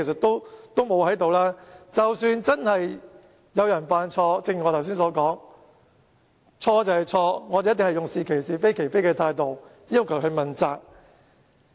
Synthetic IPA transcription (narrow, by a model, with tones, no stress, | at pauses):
e˨˩sɐ˨˩t̪o˥wt̪o˥wmo˨˧whɐ˨˥jt̪o˨wlaː˥t͡sɐ˨wsyː˧nt͡sɐ˥nhɐ˨j | jɐ˨˧wjɐ˨˩nfaː˨˧nt͡ʃʰɔː˧t͡sɪ˧ŋi˨ŋɔː˨˧t̪ʰɐ˨˩ws̬iː˥nsɔː˨˧˥kɔː˨˥ŋ | t͡ʃʰɔː˧t͡sɐ˨˧whɐ˨˩jt͡sʰɔː˧ŋɔː˨˧t̪e˨jɐ˥t̪̬ːɪ˨ŋhɐ˨jʊ˨ŋsiː˨kʰe˨˩jsiː˨˩fe˥jkʰe˨˩jfe˥jkɛː˧t̪ʰaː˧jt̪o˨w | jiː˥wkʰɐ˨˩wɵ˧mɐ˨nt͡saː˨˩k̚